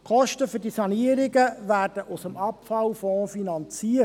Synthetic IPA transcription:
kɔʃtəfʏɾdisɑniəɾɪɡəʋæːrd̥əʔʊsəmɑpfɑlfɔ̃ːfinɑnt͡siːə

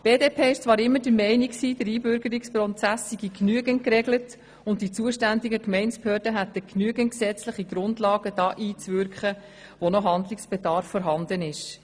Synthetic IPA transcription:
b̥eːdeːpʰeːɪʃt͡sʋɑːɾɪmːədəɾmɛɪniksiːd̥əɾiːbʏɾɡəɾikspɾɔt͡sæsːiɡiknyəɡənkrɛɡlət | ʊnt̚d̥it͡suːəʃtændiɡəkmɛɪnsphøːɾdəɦæt̪əknyəɡənksɛt͡slɪχiɡɾʊndlɑːɡəd̥ɑːʔiːt͡sʋʏɾkχə | ʋɔnɔɦɑnd̪lɪksb̥ɛd̪ɑɾfːɔɾɦɑnd̪ənɪʃ

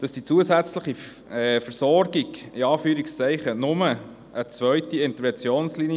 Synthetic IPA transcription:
d̥ɑsd̥it͡suəsæt͡sləχi | fəɾsɔɾɡiɡiɑːfyːɾɪkst͡sɛɪχənʊmə | ət͡sʋœʏtiɪnt̪əɾʋɛnt͡sjoːnslinj

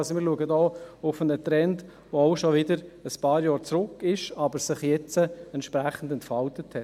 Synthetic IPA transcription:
sɔmɪːɾluəɡədɔːʊfənətɾɛnt | ʋoaʊʃɔʋɪdəɾəspɑːɾjɑːɾt͡sɾʊkːɪʃɑbəɾsɪχjɛt͡səɛntʃpɾæχn̩dɛntfɑltəthɛ

